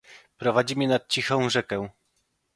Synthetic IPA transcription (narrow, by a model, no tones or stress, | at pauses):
pɾɔvad͡ʑimʲinat̪̚t͡ɕixɔ̃w̃ʐɛkɛ̃